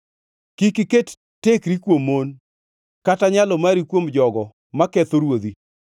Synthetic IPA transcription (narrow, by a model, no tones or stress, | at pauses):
kikiket | tekɾikwomːon | kataɲalɔmaɾikwomd͡ʒɔɡɔ | makɛt̪oɾwod̪i